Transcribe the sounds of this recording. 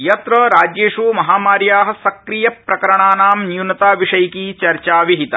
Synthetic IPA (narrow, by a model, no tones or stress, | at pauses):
jɐt̪ɾɐɾaːd͡ʒjeːʂumɐɦaːmaːɾjaːɦɐ̆sɐkɾijɐpɾɐkɐɾɐɳaːnaːmnjunɐt̪aːʋiʂɐjkit͡ʃɐɾt͡ʃaːʋiɦit̪ɐ̰